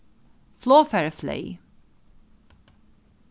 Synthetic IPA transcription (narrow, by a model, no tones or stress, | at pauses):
flɔːfɛɹəflḛɪ